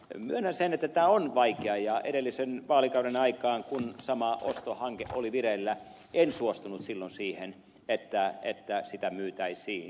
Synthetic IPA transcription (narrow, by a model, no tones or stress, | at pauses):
myønhænsenet̪ːæt̪æːonʋɑikeɑjɑḛɾelːisenʋɑːlikɑuɾenɑikɑːŋkunsɑmɑʔo̰st̪ohɑŋkeʔoliʋirelːæ | ensuost̪unut̪silːonsiːhen | et̪ːæḛt̪ːæsit̪æmyːt̪æisiː